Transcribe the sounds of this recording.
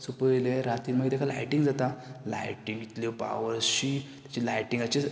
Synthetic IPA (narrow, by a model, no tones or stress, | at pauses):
supəjleɾat̪iːɾm̤əɡet̪jakʰala̰jʈiŋɡd͡zat̪ala̰jʈĩŋɡit̪lopa̰ʋəɾɕit̪jḁt͡ɕilajʈiŋɡat͡ɕe